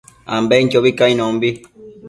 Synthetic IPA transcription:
ã̰mbeiɲd͡ʒoβikaĩnõmbi

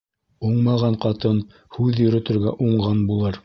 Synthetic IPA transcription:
uɴmɑʁɑɴqɑt̪ɤn | hʉðjɵ̆ɾɵ̆t̪ɘ̆ɾɡæʔuɴʁɑnbulˠɤɾ

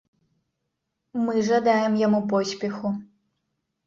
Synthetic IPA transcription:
mɨʐad̪ajɛmjamupɔsʲpʲɛxu

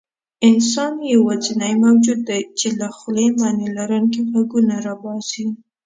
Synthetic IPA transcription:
ɪnsɑnjawazinajmawd͡ʒud̪ːajt͡ʃelaxlemanelaɾuŋkiɣaɡunaɾabɑsi

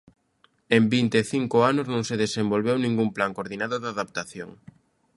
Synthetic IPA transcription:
embint̪eːθiŋkʊanʊznõŋseðesembolβewnĩŋɡumplaŋkoɾðinaðʊðaðap̚t̪aθjoŋ

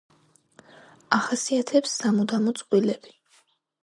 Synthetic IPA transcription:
aχasiat̪ʰɛpsːamud̪amɔt̪sʼqʼwilɛb̥i̥

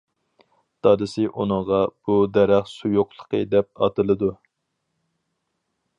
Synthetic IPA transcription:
d̪̥ɑd̪ɨsɨʔunəʁɑb̥ud̪ɛɾæχsujoqlˠə̥qʰəd̪ɛp̚ɑ̰t̪ɨlˠɨd̪u

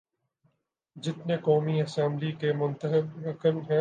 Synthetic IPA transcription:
d͡ʒɪt̪nekɔːmiɐsɛ̃mblikemʊ̃nt̪əɦɪbɐkəlɦɛ̃

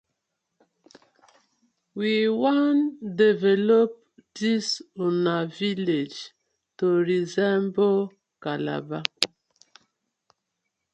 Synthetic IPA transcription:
wiwandevɛlop̚disonaviled͡ʒ | toɾizɛmbo | kala̰ba

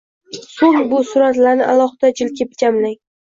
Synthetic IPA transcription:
soŋbʊsʊɾat̪laɾnɪʔalˠɒhɪd̪̥ad͡ʒɪlkʲʰɪp̚d͡ʒamlaŋ

